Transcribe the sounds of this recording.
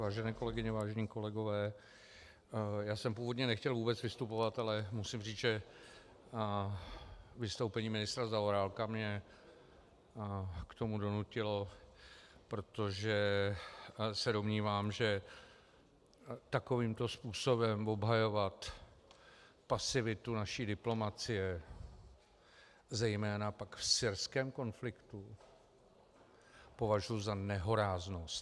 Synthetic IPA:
aːʒɛnɛːko̞lɛɡɪɲɛvaːʒɛɲiːko̞lɛɡo̞vɛː | jaːsɛmpuːvodɲɛnɛxcɛlvuːbɛt͡svɪst̪upo̞vat̪alɛmusimriːt͡sʒɛ | vɪst̪owpɛɲiːmɪnɪst̪ɾazaoɾaːlkamɲɛ | kt̪o̞mudo̞nucɪlo̞ | pɾo̞t̪o̞ʒɛ | sɛdo̞mɲiːvaːmʒɛ | t̪ako̞viːmt̪o̞spuːso̞bɛmvo̞bɦajo̞vat̪ | pasɪvɪt̪unaʃiːdɪplo̞mat͡sɪjɛ | zɛjmɛːnapakfsɪɾskɛːmko̞nflɪkt̪u | po̞vaʒujuzanɛɦo̞ɾaːznost̪

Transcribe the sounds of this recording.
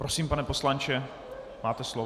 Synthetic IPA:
pɾosiːmpanɛpo̞slant͡ʃɛ | maːt̪ɛslo

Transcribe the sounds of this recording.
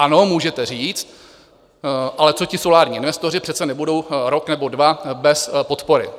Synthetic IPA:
ʔano̞muːʒɛt̪ɛr̝iːt͡st̪̚ | ʔalɛt͡so̞cɪso̞laːɾɲiːʔɪnvɛst̪o̞r̝ɪpr̝̥ɛt̪t͡sɛnɛbudo̞wɾoknɛbo̞dvabɛspo̞t̪po̞ɾɪ̰

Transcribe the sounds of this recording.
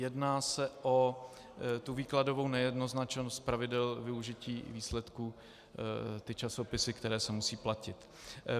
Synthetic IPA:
jɛdnaːsɛʔo | t̪uviːklado̞vo̞wnɛjɛdno̞znat͡ʃnost̪̚pɾavɪdɛlvɪuʒɪciːviːslɛt̪ku | t̪ɪt͡ʃaso̞pɪsɪkt̪ɛɾɛːsɛmusiːplacɪt̪

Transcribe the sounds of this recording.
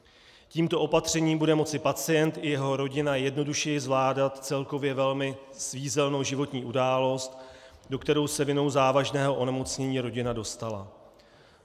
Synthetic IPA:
ciːmt̪o̞ʔo̞pat̪r̝̥ɛɲiːmbudɛmo̞t͡sɪpat͡sɪjɛnt̪ʔɪjɛɦo̞ɾo̞ɟɪnajɛdno̞duʃɛjɪzvlaːdat̪t͡sɛlko̞vjɛvɛlmɪ | sviːzɛlno̞wʒɪvo̞t̪ɲiːʔudaːlo̞st̪do̞kt̪ɛɾo̞wsɛvɪno̞wzaːvaʒnɛːɦo̞ʔo̞nɛmo̞t͡sɲɛɲiːɾo̞ɟɪnado̞st̪ala̰

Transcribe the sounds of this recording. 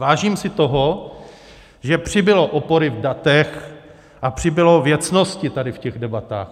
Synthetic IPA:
vaːʒiːmsɪt̪oɦo | ʒɛpr̝̥ɪbɪloʔopoɾɪvdat̪ɛx | ʔapr̝̥ɪbɪlovjɛt͡snoscɪt̪adɪfcɛɣdɛbat̪a̰ːx

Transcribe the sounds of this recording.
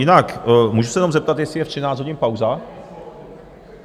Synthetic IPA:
jɪnakmuːʒusɛjɛnomzɛp̚t̪at̪jɛsɪjɛft̪rɪnaːt͡szɦo̞ɟɪnpawza

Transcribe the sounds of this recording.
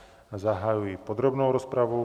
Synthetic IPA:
zaɦajujipɔd̪ɾɔbnɔʊɾɔspɾaʋɔʊ

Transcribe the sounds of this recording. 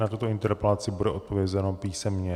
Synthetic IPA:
nat̪ut̪o̞ɪnt̪ɛɾpɛlat͡sɪbudɛʔo̞t̪̚po̞vjɛzɛno̞piːsɛmɲɛ

